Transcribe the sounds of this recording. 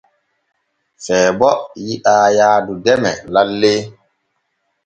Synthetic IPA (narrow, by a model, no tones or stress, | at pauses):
fɛːbɔjiʔaːjaːdudɛmɛlalːeː